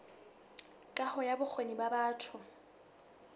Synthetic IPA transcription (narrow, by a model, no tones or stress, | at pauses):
kʼahɔjabʊk͡xʰwenibabaːtʰʊ